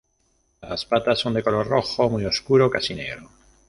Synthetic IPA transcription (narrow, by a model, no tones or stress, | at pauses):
laspat̪asond̪ekoloɾroxomujoskuɾokasineɣɾo